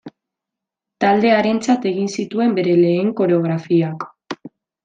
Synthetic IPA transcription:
t̪ald̪e̞aɾe̞nt͡sat̪e̞ɣinsit̪ue̞mbe̞ɾe̞le̞ːŋko̞ɾe̞o̞ɣ̞ɾafiak

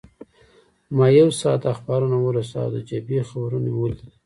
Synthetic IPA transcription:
mɑjewsɑt̪axbɑɾunawəɾusa̰wd̪əd͡ʒabexabɾunewuli

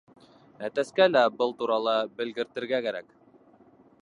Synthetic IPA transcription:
æt̪æskælæbɤlˠt̪uɾɑlˠɤbɘ̆lɡɘ̆ɾt̪ɘ̆ɾɡækæɾæk

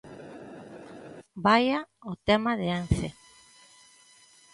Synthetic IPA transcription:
bajaot̪emaðeanse

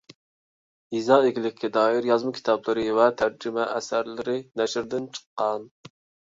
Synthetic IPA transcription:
izɑːeɡʲilɪkʲʰːɛd̪ɑːjiɾjɑzmɨkʲʰi̥t̪ʰɑblˠɨɾɨvɛt̪ʰæɾd͡ʒɪmɛʔɛsæɾlɪɾɪnɛʃɾd̪ɪnt͡ʃʰə̥qːɑn

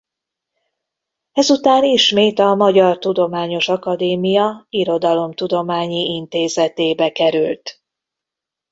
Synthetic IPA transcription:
ɛzut̪aːniʃmeːt̪ɒmɒɟɒrt̪ud̪o̞maːɲo̞ʃɒkɒd̪eːmijɒiɾo̞d̪ɒlo̞mt̪ud̪o̞maːɲiʔint̪eːzɛt̪eːbɛkɛɾylt̪

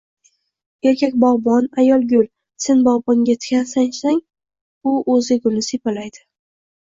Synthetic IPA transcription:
e̞ɾkʲʰakʲbɒʁbɒnajɒlˠɡʲʊl | se̞nbɒʁbɒŋɡʲat̪ʰɪ̥kʲʰansaŋsaŋ | ʊʔɵzɪɡʲʊlnɪsepalajd̪ɪ

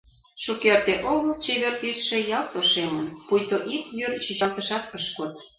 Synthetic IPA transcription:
ʃukert̪eʔoɣolt͡ɕeβert̪yt̪ʃĕjɑlt̪oʃemənpujt̪oʔikjyrt͡ɕit͡ɕɑlt̪əʃɑt̪̚əʃkot̪

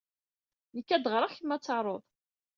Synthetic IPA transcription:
nikːæd̪ʁɾˤaçəmːæt͡sːɑʕɾˤoðˤ

